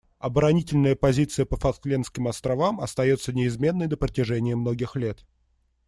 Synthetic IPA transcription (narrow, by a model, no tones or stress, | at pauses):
ɐbəɾɐnʲitʲɪlʲnəjəpɐzʲit̪sɨjəpəfɐklʲenskʲɪmɐst̪ɾɐvamɐ̰st̪ɐjo̞t̪sənʲɪɪzmʲe̞nːəjd̪əpɾətʲɪʐɛnʲɪjəmno̞ɡʲɪxlʲe̞t̪